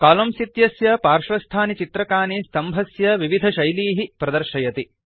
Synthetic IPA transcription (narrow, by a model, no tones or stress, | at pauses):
kaːlɐmsit̪jɐsjɐpaːɾʂɾɐst̪ʰaːnit͡ʃit̪ɾɐkaːnist̪ɐmbʱɐsjɐʋiʋid̪ʱɐʃɐjliːɦipɾɐd̪ɐɾʃɐjɐt̪i